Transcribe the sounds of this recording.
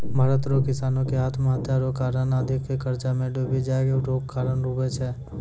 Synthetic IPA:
bʱaːɾət̪ɾokɪsaːnõkeɦaːt̪ʰməɦət̪jaɾokaːɾənəd̪ʱɪkːekəɾt͡ʃamẽɖobid͡ʒaːeɡeʈoːkkaːɾənɾuːbet͡ʃʰɛː

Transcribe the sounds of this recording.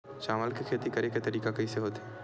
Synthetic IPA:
ʃaːməlkekʰeːt̪ikɐɾeket̪ɐɾiːkakɐiseɦoːt̪e

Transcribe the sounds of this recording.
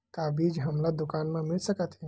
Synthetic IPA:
t̪abid͡ʒɦəmləd̪ukanmemilsəkət̪ɦĩ

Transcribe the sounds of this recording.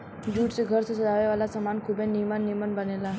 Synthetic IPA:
d͡ʑuːʈt͡seɡʱəɾt͡səsəd̪aʋeʋalasəmankʰubenimənːimənbənela

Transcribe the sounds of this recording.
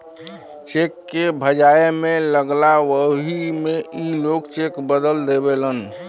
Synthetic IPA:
t͡ʃekːebʱəd͡ʒaemeləɡlaʋəɦimeʔilokt͡ʃekbəd̪əld̪ebelən

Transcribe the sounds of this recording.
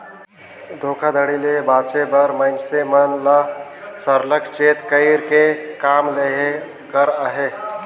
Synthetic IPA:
d̪ʱoːkʰad̪ʱəɽilebaːt͡ʃebəɾmə̃ɪnsemənlasəɾləkt͡ʃeːt̪kəɪɾkekaːmleɦe | ɡəɾəɦeː

